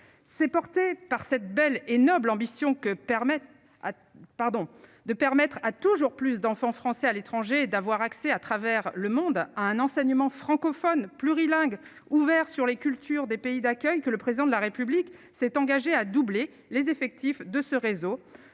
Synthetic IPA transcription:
sɛpɔʁt̪epaʁsɛt̪̚bɛlenɔblɑ̃bisjɔ̃kəɛ | paʁd̪ɔ̃d̪əpɛʁmɛt̪χat̪uʒuʁplys̬d̪ɑ̃fɑ̃fχɑ̃sɛalet̪χɑ̃ʒed̪avwaʁaksɛat̪χavɛʁləmɔ̃d̪aɛ̃nɑ̃sɛɲəmɑ̃fχɑ̃kɔfɔnplyʁilɛ̃ɡ | uvɛʁsyʁlekʲylt̪ʰyʁd̪epeid̪akʲœjkələpχezid̪ɑ̃d̪əlaʁepyblik | sɛt̪ɑ̃ɡaʒead̪uble | lezefɛk̚t̪ifd̪əsəʁezo

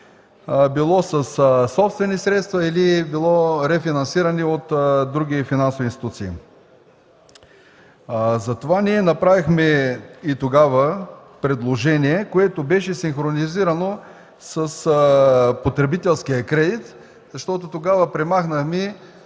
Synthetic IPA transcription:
bilˠɔsɐssɔpst̪vɛnisɾɛt̪st̪vɐilibilˠɔɾɛfinɐnsiɾəniot̪d̪ɾuɡ̟ifinansovinst̪it̪ut̪sḭː | zɐt̪ovaniɛnɐpɾavixmɛit̪oɡavə | pɾɛd̪lˠoʒɛniɛkoɛt̪obɛʃɛsinxɾoniziɾɐno | sɐs | pot̪ɾɛbit̪ɛlˠskijəkɾɛd̪it̪ | z̥ɐʃt̪ɔt̪ot̪oɡavəpɾɛmaxnəxmi

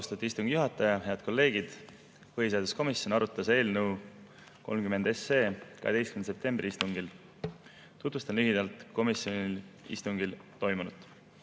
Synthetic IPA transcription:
st̪ɑt̪ʲːˑiist̪uŋɡ̥juɦɑt̪ːˑɑjɑhe̞ɑd̪̥ko̞lːe̞ːɡ̥id̪̥ | hoɦised̪usko̞misːjo̞nɑɾut̪ːˑɑse̞ːlnɤw | kolmkyme̞nd̪e̞seːkɑ̰het̪e̞jstkymense̞p̚t̪e̞mbrʔiist̪uŋɡil | t̪ut̪vust̪ɑnlyɦid̪̥ɑlt̪ˑko̞misio̞nʲilḭst̪uŋɡilt̪o̞jmunut̪ːˑ

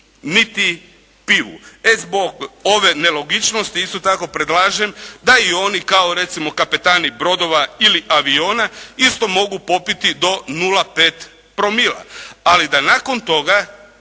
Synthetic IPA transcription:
nit̪i | piʋṵezboɡo̞ʋe̞ne̞lˠo̞ɡit͡ʃno̞st̪iist̪o̞t̪ako̞pɾed̪laːʒemd̪aio̞nikao̞ɾe̞t̪simo̞kape̞t̪aːnibɾo̞d̪o̞ʋailiʔaʋioːnaist̪o̞mo̞ɡupo̞pit̪id̪o̞nulˠape̞ːt̪ | pɾo̞milˠa̰alid̪anako̞nt̪o̞ɡa

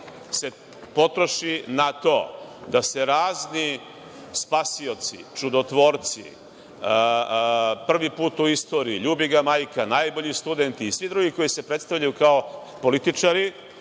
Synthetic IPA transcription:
se̞ | po̞t̪ɾo̞ʃinat̪o̞ːd̪ase̞ɾaːzni | spasio̞t̪sḭt͡ʃud̪ot̪ʋo̞ːɾt̪sḭ | pr̩ʋipuːt̪uist̪o̞ːɾiːʎuːbiɡamajkanajbo̞ʎist̪ud̪ent̪iːsʋid̪ɾuɡiko̞jise̞pɾet̪st̪avʎajukao | po̞lit̪it͡ʃaɾi

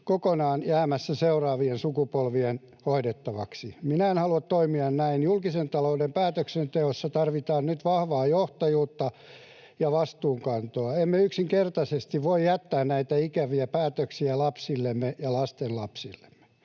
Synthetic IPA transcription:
kokonɑːnjæːmæsːæseurɑːʋiensukupolʋien | hoidet̪ːɑʋɑksiminæenhɑluɑt̪toimiɑnnæinjulkisent̪ɑloudempæːt̪øksent̪eosːɑt̪ɑrʋit̪ɑːnnyt̪ʋɑhʋɑːjoht̪ɑjuːt̪ːɑ | jɑʋɑst̪uːŋkɑnt̪oɑemːeyksiŋkert̪ɑsest̪iʋʋoijjæt̪ːæːnnæit̪æikæʋiæpæːt̪øksiælɑpsilːemːejɑlɑst̪enlɑpsilːe̥mːe̥

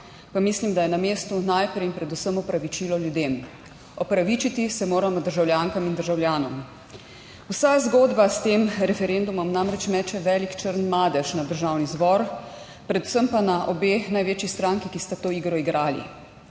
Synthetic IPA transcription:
pamislimd̪ajɛnameːst̪unajpɾɛjinpɾɛd̪usəmɔpɾaʋit͡ʃiːlɔljud̪eːm | ɔpɾaʋit͡ʃit̪isɛmoːɾamɔd̪əɾʒawljaːŋkamind̪əɾʒawljaːnɔm | usazɡoːd̪bast̪emɾɛfɛɾend̪umɔmnamɾɛt͡ʃmɛːt͡ʃɛʋɛːlikt͡ʃəɾnmaːd̪ɛʃnad̪əɾʒaːwnizbɔɾ | pɾɛd̪usəmpanaʔɔbeːnajʋeːt͡ʃjist̪ɾãŋkikist̪at̪oːiːɡɾɔiɡɾaːlḭ

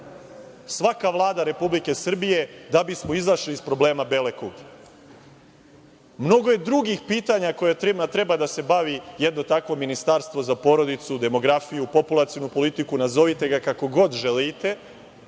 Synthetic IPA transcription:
sʋakaʋlˠaːd̪aɾe̞publike̞sr̩bije̞d̪abismo̞izaʃliːspɾo̞ble̞ːmabe̞lekoɡ | mno̞ɡo̞je̞d̪ɾuɡixpiːt̪aɲako̞jet̪at̪ɾe̞bad̪ase̞baʋijed̪not̪akʋo̞minist̪aɾst̪ʋo̞zapo̞ɾo̞d̪it̪sud̪e̞mo̞ɡɾafijupo̞pulˠat̪sionupo̞lit̪ikunazo̞ʋit̪e̞ɡakako̞ɡo̞d̪ʒelit̪e̞

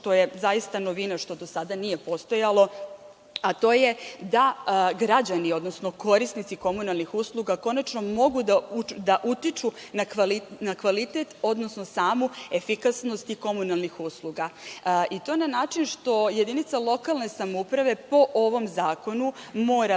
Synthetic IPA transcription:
ʃt̪o̞jezajist̪anoʋinaʃt̪o̞d̪o̞sad̪anije̞po̞st̪o̞jalˠo̞ | at̪o̞ːjed̪aɡɾad͡ʑanio̞d̪no̞sno̞ko̞ɾisnit̪siko̞munalˠnixuslˠuɡako̞nat͡ʃno̞mo̞ɡud̪aud̪aʔut̪it͡ʃunakʋalinakʋalit̪et̪o̞d̪no̞sno̞saːmue̞fikasno̞st̪iko̞munalˠnixuslˠuɡait̪o̞nanaːt͡ʃinʃt̪o̞je̞d̪init̪salˠo̞kalˠne̞samoupɾaʋe̞po̞ʔoʋo̞mzaːko̞numo̞ːɾa

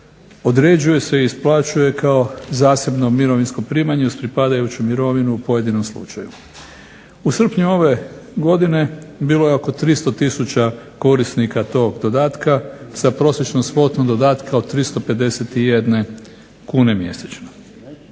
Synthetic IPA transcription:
o̞d̪ɾe̞d͡ʑuje̞se̞iisplˠat͡ʃuje̞kao̞zaːse̞bnomiɾo̞ʋinsko̞pɾiːmaɲeuspɾipad̪ajut͡ɕumiɾo̞ʋinuːpo̞je̞d̪ino̞mslˠṵt͡ʃaju | usr̩pɲuo̞ʋe̞ɡo̞d̪ine̞biːlo̞je̞o̞ko̞t̪ɾist̪o̞t̪isut͡ɕako̞ɾisnikat̪o̞ːɡd̪od̪aːt̪kasapɾo̞ːsjet͡ʃnomspo̞t̪nod̪o̞d̪aːt̪kaod̪̚t̪ːɾist̪o̞pe̞d̪e̞set̪ijed̪ne̞ | kuːne̞mje̞̰set͡ɕno

